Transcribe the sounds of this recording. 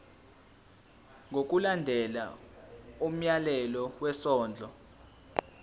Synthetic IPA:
ŋɡʱok̬ʼulandʱɛla̰ | um̩jalɛlɔwɛsɔːnd͡ɮʱɔ

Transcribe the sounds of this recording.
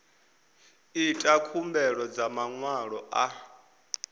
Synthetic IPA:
itʼakʰumbɛɺɔd͡zamaŋwaɺɔʔa

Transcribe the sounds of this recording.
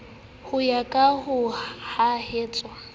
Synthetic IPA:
hʊjakʼahʊhaheːt͡sʼwa

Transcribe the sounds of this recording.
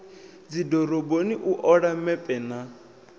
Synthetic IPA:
d͡zidɔɾɔboniʔuʔɔɺamɛpʼɛna

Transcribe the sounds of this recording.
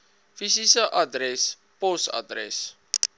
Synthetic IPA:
fisisəʔadɾɛs | posa̰dɾɛ̰s

